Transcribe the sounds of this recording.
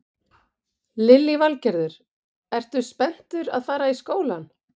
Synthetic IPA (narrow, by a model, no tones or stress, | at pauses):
lɪlːivalcɛɾðʏɾ̥ | ɛr̥t̪ʏspɛn̥t̪ʏɾaðfaːɾaiskoːwlan